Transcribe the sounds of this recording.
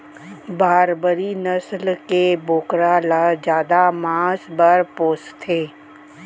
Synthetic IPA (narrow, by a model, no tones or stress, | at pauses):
baːɾbəɾinəslkeboːkɾaːlad͡ʒjaːd̪amãːsbəɾpoːst̪ʰːeː